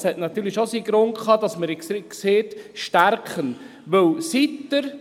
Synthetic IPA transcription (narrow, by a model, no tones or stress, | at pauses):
shɛtnɑt̪yːɾliʃosiɡɾʊnkʰχɑːd̥ɑsməɾkseːtʃtæɾkχən | ʋɵwsitːəɾ